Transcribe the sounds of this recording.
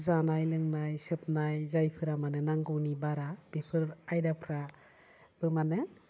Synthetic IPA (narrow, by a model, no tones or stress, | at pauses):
zanajlɯŋnajsɯp̚najzajpʰɯɾamanɯnaŋɡɯwnibaɾab̥ipʰɯɾajdapʰɾa | b̥ɯmanɯ